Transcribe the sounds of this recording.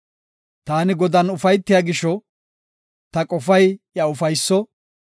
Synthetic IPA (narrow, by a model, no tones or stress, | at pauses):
t̪aːnɪɡɔd̪ɐnʊfɐjt̪ːɪjaːɡɪʃɔ | t̪ɐkʼɔfɐjjɐʊfɐjsːɔ